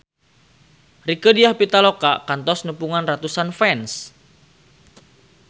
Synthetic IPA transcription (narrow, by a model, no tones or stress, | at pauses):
rikədiahpit̪alokakant̪ɔsnupuŋanrat̪usanfɛns